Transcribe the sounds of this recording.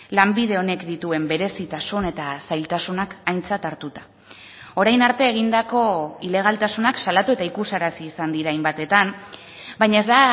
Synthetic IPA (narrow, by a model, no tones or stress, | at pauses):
lambið̞e̞o̞ne̞kd̪it̪ue̞mbe̞ɾe̞sit̪asune̞t̪asajlt̪asunakajnt͡sat̪aɾt̪ut̪ḁ | o̞ɾajnaɾt̪e̞ːɣind̪ako̞ile̞ɣ̞alt̪asunaksalat̪ue̞t̪aikusaɾasiːsand̪iɾajmbat̪e̞t̪am | bajɲae̞zd̪a